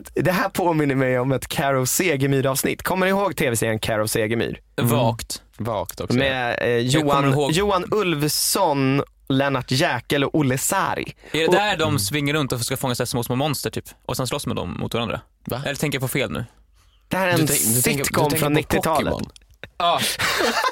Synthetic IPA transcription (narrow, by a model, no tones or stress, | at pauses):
d̪ɛɦæːɾpʰoːmɪnːəɾmɛjɔmɛt̪kʰæɾɔvseːɡəmyːɾɑːvsnɪ̰t̪ːkʰɔmːəɾɪhoːɡt̪ʰeːvɛseːənkʰæɾɔvseːɡəmy̰ːɾ | vɑːkt̪vɑ̰ːkt̪ʰɔkmɛjuːanːjuːanɵlvsɔn | lɛnaʈjɛːkɛlɔʔʊlːəsa̰ɾjɛdd̪ɛhæːɖɔmsvɪŋːəɾɵnt̪ɔfœ̥kafɔŋːasɛasmoːsmoːmɔnst̪əʈʰyːpʔɔsɛnslɔsːmɛd̪ɔ̰mmʊ̰t̪vaɾand̪ɾa̰ | ɛ̰lːɾtʰɛ̃ŋkəɾpʰɔfeːlnʉ̟̰ː | d̪̥ɛhæːɾɛnsɪt̪kʰɔmːfɾɔnːɪt̪ːɪk̪ʰɑːlə̰ɔ̰n | ɑː